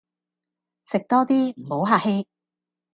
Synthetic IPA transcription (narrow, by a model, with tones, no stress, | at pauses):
sɪ˨k̚t̪ɔː˥t̪iː˥m̩˨˩ho˨˥wɦaː˧˩he˥j